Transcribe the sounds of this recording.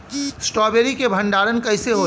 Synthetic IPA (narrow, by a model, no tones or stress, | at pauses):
sʈɔːbeːɾikebʱə̃ɳɖaːɾənkəɦɪseɦo